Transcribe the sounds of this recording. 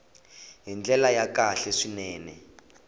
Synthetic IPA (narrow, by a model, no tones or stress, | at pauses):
ɦind͡ɮɛlajakaɬɛʂinɛːnɛ